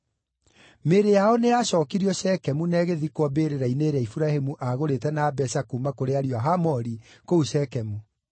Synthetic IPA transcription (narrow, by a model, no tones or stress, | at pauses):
meɾejaɔneaɕɔːkiɾiɔɕɛkɛmunɛɣeðikwɔbeɾeɾaineɾɛifuɾahemuʔaɣoɾetɛnabɛsakumakoɾeaɾiwaɦamɔɾikouʃɛkɛmu